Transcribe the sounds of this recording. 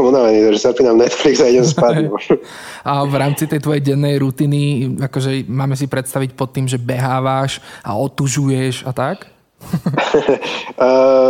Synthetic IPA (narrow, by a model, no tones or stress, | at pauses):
ɔmunaʋɛniːt̪ɔʒɛsapiːnamnɛt̪fliɡzaiɟɛmspad̪ɔ | ʔavɾaːmt͡sit̪ɛjt̪ʋɔjɛɟɛnːɛjɾut̪iːniakɔʒɛmaːmɛs̬ipɾɛt̪st̪aʋic̚pɔt̪ːiːmʒɛbɛɦaːʋaʃa̰ɔt̪uʒujɛʃat̪ak